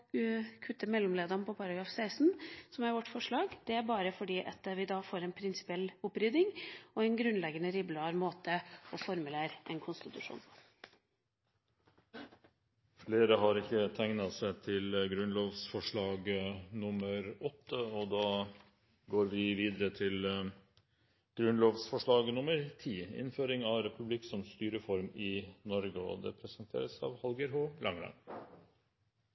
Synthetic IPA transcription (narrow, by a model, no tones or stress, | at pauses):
kʰʉt̪ːəmɛlːɔmleːd̪ɑnəpʰɔpʰɑɾɑɡɾɑːfsæɪsn̩sɔmæɾʋɔʈːfɔʂɭɑːɡd̪̥ɛæɾbɑːɾəfɔɖiːʔɑt̪ʋɪd̪ɑːfoːɾɛnpʰɾɪnsɪ̥pɪɛlʊpːɾʏd̪ɪŋɔɛnɡɾʉnlɛɡənəɾɪblɑːɾmoːt̪əɔfɔɾmʉleːɾʔɛ̰nkʰʊnst̪ɪt̪ʉʂṵːn | fleːɾəɦɑɾɪkːət̪ʰæŋnɑsæɪt̪ʰɪlɡɾʉnloːʋsfɔʂɭɑːɡnʊməɾɔt̪ːəɔd̪ɑː | ɡoːɾʋɪʋiːd̪əɾət̪ʰɪl | ɡ̥ɾʉnloːʋsfɔʂɭɑːɡnʊməɾt̪ʰiːɪ̰nføːɾɪŋɑʋɾɛpʰʉbliksɔmst̪yːɾəfɔɾmɪnɔɾɡəɔ̰d̪ɛ̰pʰɾɛsənt̪ʰḛːɾəsɑ̰ːʋhɑlɡəɾɦoːlɑŋɾɑ̰ŋ